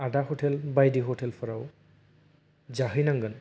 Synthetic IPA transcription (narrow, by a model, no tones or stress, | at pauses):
adahotʰɛlbajdiɦotʰɛlpʰɔɹaw | zaɦɯjnaŋɡan